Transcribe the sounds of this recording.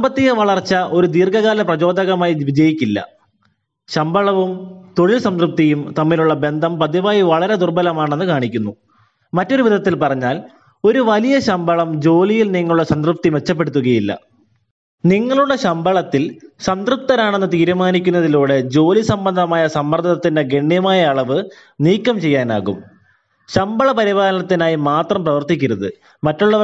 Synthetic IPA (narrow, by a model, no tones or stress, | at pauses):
sɐmbɐt̪ːiɣɐʋɐɭɐrt͡ɕːɐʔo̞ɾud̪iːrkɐɣaːlɐprɐd͡ʑo̞ːd̪ɐɣɐmaːjiʋid͡ʑɐjikʲːilːɐ̰ | ɕɐmbʱɐɭɐʋumt̪o̞ɭilsɐnd̪rup̚t̪ijumt̪ɐmːiluɭːɐbe̞nd̪ʱɐmpɐd̪iʋaːjiʋɐɭɐɾe̞d̪urbɐlɐmaːɳe̞nːɨkaːɳikʲːunːu | mɐtːo̞ɾuʋid̪ʱɐt̪ːilpɐrɐɲːaːl | o̞ɾuʋɐlijɐɕɐmbʱɐɭɐmd͡ʑo̞ːlijilniŋːɐɭuɭːɐɕɐnd̪rup̚t̪ime̞t͡ɕːɐpːeɽut̪ːuɣɐjilːɐ̰ | niŋːɐɭuɭːɐɕɐmbɐɭɐt̪ːilɕɐnd̪rup̚t̪ɐɾaːɳenːɨt̪iːɾumaːnikʲːun̪ːɐðiluːɽe̞d͡ʑo̞ːlisɐmbɐnd̪ʱɐmaːjɐsɐmːɐrd̪ʱɐɐt̪ːinde̞ɡe̞ɳːijɐmaːjɐːɭɐʋɨ | niːkːɐmt͡ɕe̞jːaːna̰ːɣṵm | ɕɐmbɐɭɐpɐɾibaːlɐnɐt̪ːinaːjimaːt̪rɐmprɐʋɐrt̪ikʲːiɾuðɨ | mɐtːuɭːɐ